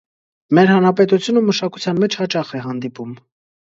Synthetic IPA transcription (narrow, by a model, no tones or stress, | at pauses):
mɛɾhɑnɾɑpɛt̪ut͡sʰjunəmːəʃɑkut͡sʰjɑnmɛt͡ʃʰhɑt͡ʃɑχɛɦɑnd̪ipum